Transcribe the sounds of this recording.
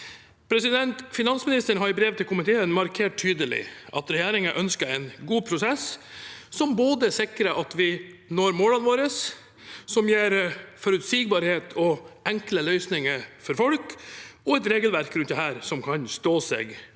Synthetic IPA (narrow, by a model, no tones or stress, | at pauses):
pʰɾɛsɪd̪ɛnt̪fɪnɑnsmɪnɪst̪əɳɦɑɾɪbɾeːʋt̪ʰɪlkʊmɪt̪ʰeːənmɑɾkʰeːʈ̚t̪ʰyːd̪əlɪ̰ʔɑ̰t̪ɾɛjeːɾɪŋəʔœnskəɾɛɪnɡuːpʰɾʊsɛsː | ɔmboːd̪əsɪkɾəʔɑt̪ʋɪnoːɾmoːlənʋoːɾəsː | ɔmjeːɾfɔɾʉt̪siːɡ̚bɑɾheːt̪ʰɔɛŋkləlœʏsnɪŋəfɔɾfɔlkɔɛt̪ɾeːɡəlʋæɾkɾʉnt̪d̪ɛhæːɾsɔmkʰɑnst̪oːsḛːɡ